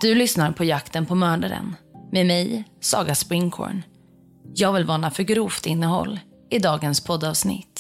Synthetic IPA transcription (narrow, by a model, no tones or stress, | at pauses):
d̪̥ɵlʏsnaɾpʰɔjakt̪ənpʰɔmœːɖaɾə̰nmemɛjsɑ̰ːɡaspɾɪŋkʰɔ̰ːɳ | jɑːɡvɪlvɑːɳafœɾɡɾuːft̪ɪnːəɦɔ̰lː | ɪd̪ɑːɡənspʰɔd̪ːɑːvsnɪ̰t̪ː